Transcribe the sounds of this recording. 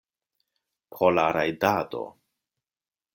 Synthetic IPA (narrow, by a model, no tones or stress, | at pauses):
pʰolaɾajdado̞̰